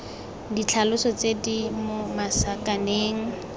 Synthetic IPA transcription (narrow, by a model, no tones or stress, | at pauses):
dit͡ɬʰalʊsɔt͡sedimomasakʼaneːŋ̩